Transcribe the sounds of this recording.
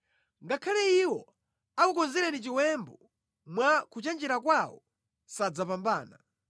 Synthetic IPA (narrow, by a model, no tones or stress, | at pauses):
ŋɡakʰalɛiwɔ | akukɔnziɾɛnit͡ʃiwɛmbɔ | mwakut͡ʃɛnd͡ʒɛɾakwawɔ | sad͡zapambaːna